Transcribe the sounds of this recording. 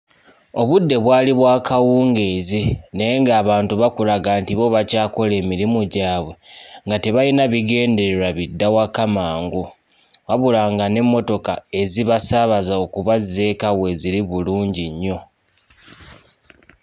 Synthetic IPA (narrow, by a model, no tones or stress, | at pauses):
o̞βudːe̞βwaːliβwaːkawuːŋɡe̞zinejeŋɡaːβaːntuβakulaɡaːntiβo̞βacaːko̞le̞ːmiɾimuɟaːβwe̞ŋɡate̞βajinaβiɡe̞ːnde̞ɾe̞ɾaβidːawakamaːŋɡu | waβulaːŋɡane̞mːo̞to̞kae̞ziβasaβazaokuβaze̞kawe̞ziɾiβuluːɲɟiɲːo̞